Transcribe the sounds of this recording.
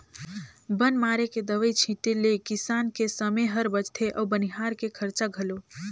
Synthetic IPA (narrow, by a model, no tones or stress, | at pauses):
bənmaːɾeked̪əʋəit͡ʃʰĩʈelekisaːnkesəmeɦəɾbət͡ʃt̪ʰeʔɔːbəniɦaːɾkekʰəɾt͡ʃaɡʱəlo